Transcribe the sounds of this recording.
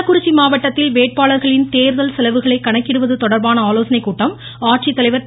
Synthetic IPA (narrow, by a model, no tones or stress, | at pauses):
ɐkːʊɾɪt͡ʃːimaːʋɐʈːɐt̪ːɪlʋeːʈ̚paːɭɐɾɣɐɭɪnt̪eːɾðɐlsɛlɐʋɯɣɐɭɐɪkːɐɳɐkːɪɽɯʋɐðɯt̪ɔɽɐɾbaːnɐaːloːsɐnɐɪkːuːʈːɐm | aːʈ̚t͡ʃit̪ːɐlɐɪʋɐɾ